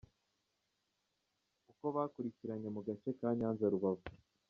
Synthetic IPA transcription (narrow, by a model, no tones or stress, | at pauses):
uko̞βaːkuɾiciɾaɲe̞muɡat͡ʃe̞kaːɲaːnzaɾuβavu